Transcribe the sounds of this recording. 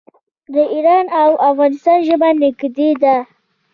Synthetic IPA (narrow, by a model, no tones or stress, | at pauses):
d̪əʔiɾɑnawafɣɑnɪst̪ɑnʒəbanɪɡd̪ed̪a